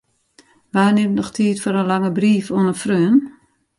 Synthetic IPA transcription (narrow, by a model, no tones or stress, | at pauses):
ʋaːnɪmnɔxtʰiːtfoɾənlaŋəbriːfoənəfrøːən